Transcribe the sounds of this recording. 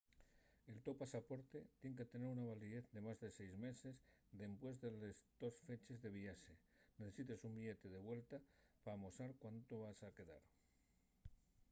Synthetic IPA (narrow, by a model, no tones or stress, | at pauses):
e̞lt̪opasapo̞ɾt̪e̞t̪je̞ŋk̬e̞t̪ene̞ɾunaβ̞aliðeθd̪e̞mazðe̞se̞jzme̞se̞zd̪e̞mpwe̞zðe̞lezd̪o̞sfe̞t͡ʃe̞zðe̞β̞iaʃe̞ | neθe̞sit̪e̞sumbiʝe̞t̪e̞ðe̞βwe̞lt̪apaːmo̞saɾkwant̪oβasake̞ða̰ɾ